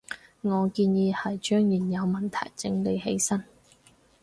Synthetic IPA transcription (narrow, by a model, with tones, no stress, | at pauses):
ŋɔː˨˧kiː˧njiː˨˧hɐ˨jt͡ʃœː˥ŋjiː˨˩njɐ˨˧wmɐ˨˩nt̪ʰɐ̰˨˩jt͡sɪ˧ŋle˨˧jɦe˨˥jsɐ˥n